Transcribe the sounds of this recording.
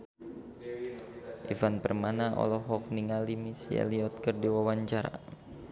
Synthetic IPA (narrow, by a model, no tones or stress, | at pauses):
ʔivanpərmanaʔɔ̰lɔɦɔk̚niŋalimisiɛ̰liɔt̪̚kərdiwawaɲt͡ʃaɾa̰